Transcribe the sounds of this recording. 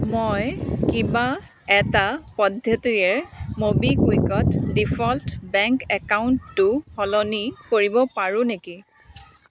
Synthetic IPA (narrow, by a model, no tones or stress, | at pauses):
mojkiba | ɛtapɔdʱjɔtijɛɹmobikuikɔtdipʰɔltbɛŋkɛkauntːʊhɔlɔnikoɹibɔpaɹũneki